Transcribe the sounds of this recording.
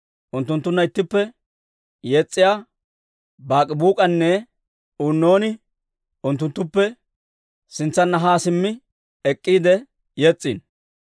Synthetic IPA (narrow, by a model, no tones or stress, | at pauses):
ʔʊnt̪ːʊnt̪ːʊnːɐɪt̪ːɪpːɛ | jeːt͡sʼːɪjaː | baːkʼɪbuːkʼɐnːɛ | unːo̞ːnɪ | ʊnt̪ːʊnt̪ːʊpːɛ | sɪnt͡sːɐnːɐɦaːsɪmːɪ | ɛkʼːiːd̪ɛ | jeːt͡sʼːḭːn